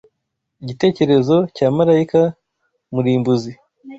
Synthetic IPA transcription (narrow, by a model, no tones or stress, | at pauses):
iɟite̞ːce̞ɾe̞zo̞caːmaɾaika | muɾiːmbuzi